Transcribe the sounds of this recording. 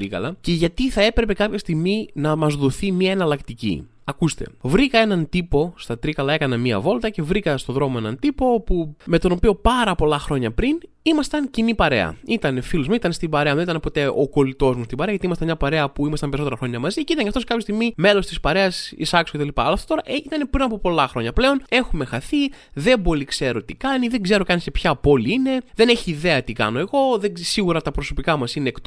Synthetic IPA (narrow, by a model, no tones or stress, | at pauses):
ɾikɐ̰lɐce̞ʝɐt̪iθɐe̞pɾe̞pe̞kɐpçɐst̪iɣminɐmɐzðoθimiɐenɐlɐkt̪icḭ | ɐkust̪e̞̰vɾikɐe̞nɐnt̪ipo̞st̪ɐt̪ɾikɐlɐe̞kɐnɐmiɐ̰vo̞lt̪ɐce̞vɾikɐst̪oðɾo̞moe̞nɐ̰nt̪ipo̞opume̞t̪o̞no̞pio̞pɐɾɐpo̞lɐxɾo̞ɲɐpɾin | imɐst̪ɐncinipɐɾe̞̰ɐ̰it̪ɐnefilozmeit̪ɐnest̪ibɐɾe̞ɐðnit̪ɐnepo̞t̪e̞ʔo̞̰ko̞lit̪o̞zmust̪ibɐɾeɐʝɐt̪imɐst̪ɐmɲɐpɐɾe̞ɐpuimɐst̪ɐmpeɾisot̪eɐxɾo̞ɲɐmɐziceit̪ɐɲcɐft̪osekɐpçost̪iɣmime̞lo̞st̪ispɐɾeɐsḭsɐkso̥cet̪ɐlipɐːlɐːft̪ot̪o̞ɾɐʔeit̪ɐne̞pɾinɐpopo̞lɐxɾo̞ɲɐple̞o̞ne̞xume̞xɐθiðe̞bo̞likse̞ɾo̞t̪ikɐniðe̞ŋɡze̞ɾo̞kɐnisepçɐpo̞liine̞ðe̞neçiːðe̞ɐt̪ikɐ̰no̞e̞ɣo̞ðesiɣuɾɐt̪ɐpɾoso̞pikɐmɐsineːkt̪